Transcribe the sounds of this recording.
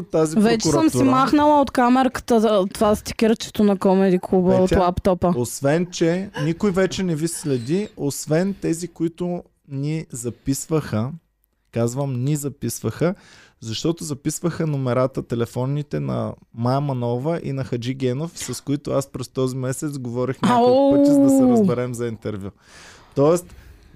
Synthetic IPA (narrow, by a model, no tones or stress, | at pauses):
t̪ːazipvɛt͡ʃɛuɾəmsimaxnəlˠəot̪kamɛɾkə̥t̪ət̪ːovast̪i̥kʲiɾt͡ʃɛ̥t̪onɐkɔmɛd̪iklˠubəot̪lˠapt̪ɔpəosvɛnt͡ʃɛnikojvɛt͡ʃɛnɛvislɛd̪iosvɛnt̪ɛzikoit̪ʊ | nizɐpisvəxə | kazvəmnʲizɐpisvəxə | zɐʃt̪ɔt̪ʊzɐpisvəxənomɛɾat̪ət̪ɛlɛfɔnːit̪ɛnɐ̰majmɐnɔvəʔḭnɐxɐd͡ʒiɡɛnofsɐskoit̪ʊaspɾɛst̪ɔzimɛsɛt̪sɡovɔɾixnoəizd̪ɐsɛɾəzbɛɾɛmzɐint̪ɛɾvʲju | t̪ɔɛst̪